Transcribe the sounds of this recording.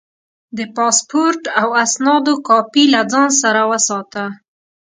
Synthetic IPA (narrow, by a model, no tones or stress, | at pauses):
d̪əpɑspoɾʈawasnɑd̪okɑpilad͡zɑns̬aɾawəsɑt̪a